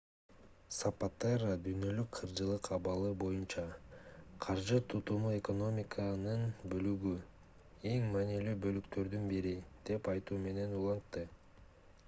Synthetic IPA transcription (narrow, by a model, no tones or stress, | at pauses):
sapat̪erad̪yjnø̞lykqʰɯɾd͡ʒɯlˠɯqɑβɑlˠɯbo̞junt͡ʃɑ | qʰɑɾʒɯt̪ʰut̪umue̞ko̞no̞mʲikʰənɯnbø̞lyɡy | e̞ŋmɑnilybø̞lykt̪ø̞ɾd̪ynbiɾid̪̥e̞pɑjt̪uːme̞ne̞nulˠɑnt̪ːɯ